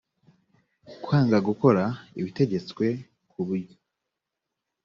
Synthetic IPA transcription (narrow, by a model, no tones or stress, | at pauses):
kwaːŋɡaɡuko̞ɾaiβite̞ɟe̞t͡swe̞ | kuβuɾɟo